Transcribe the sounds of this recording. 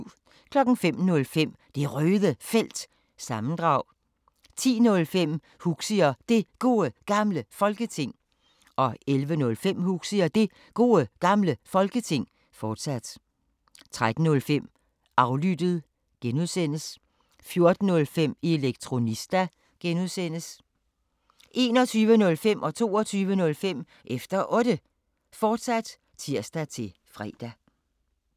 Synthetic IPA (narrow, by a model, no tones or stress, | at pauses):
kʰlɒ̽ɡ̥n̩fem̰nɔ̽lfem̰ | d̥e̝ʁøːðˠəfel̰d̥ | sɑ̈mn̩d̥ʁɑ̈ʊ̰ | t͡sʰḭːnɔ̽lfem̰ | huɡ̥siɐd̥e̝ɡ̥o̝̰ːəɡ̥ɑ̈mləfɒ̽lɡ̥ət͡sʰe̝ŋ̰ | ʔɒ̽ʔelʋənɔ̽lfem̰huɡ̥siɐd̥e̝ | ɡ̥o̝̰ːəɡ̥ɑ̈mləfɒ̽lɡ̥ət͡sʰe̝ŋ̰ | fɒːd̥sæd̥ | t͡sʰʁad̥n̩ːɔ̽lfem̰ | ɑ̈ʊlyd̥ð̩ˠ | ɡ̥enuðˠsen̰əs | fjo̝ɐd̥n̩ːɔ̽lfem̰eeleɡ̥̚t͡sʰʁo̝nisd̥æ | ɡ̥enuðˠsen̰əs | ʔe̝ːnɒt͡sʰyːʋənɔ̽lfem̰ʔɒ̽t͡sʰo̝̰ːɒt͡sʰyːʋənɔ̽lfem̰ | ʔefd̥ɐʔɔ̽d̥ə | fɒːd̥sæd̥ | t͡sʰiɐ̰sd̥æt͡sʰe̝ | fʁɛ̰ːd̥æ